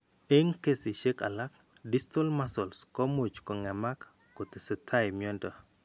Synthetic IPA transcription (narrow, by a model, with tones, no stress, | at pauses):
e˦ŋke˦si˨ʃe˦ka̰˨la˦k̚ | di˦stɔ˦lma˦so˨lskɔ˦mo˨t͡ʃkɔ˨ŋɛ˨ma˦kː | o˨t̪e˨sɛ˨tʰa˦jmjɔ˦ntɔ˨